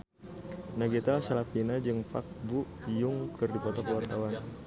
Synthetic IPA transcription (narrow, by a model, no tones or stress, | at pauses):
naɡit̪alasalapinad͡ʒɨŋpa̰k̚bu | jʊŋkʰɨrdipɔt̪ɔkəwart̪awan